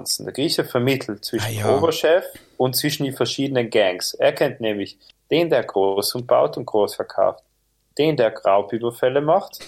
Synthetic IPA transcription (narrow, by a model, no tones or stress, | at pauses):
nt͡sn̩d̥ḛːɐɡʁiːçəfɛɐmɪtʰl̩tt͡sv̥ɪʃn̩dʔoːbɐʃɛf | ʊnt̚t͡sv̥ɪʃn̩diːfɛɐʃiːdənənɡɛŋsʔeːɐkʰɛntnɛːmlɪç | d̥eːndeːɐɡʁoːsʊmb̥a̰ʊtʊnt̚ɡ̥ʁoːsfɛɐkʰa̰ʊft | d̥eːndeːɐɡʁaʊpyːbɐfɛləmaχt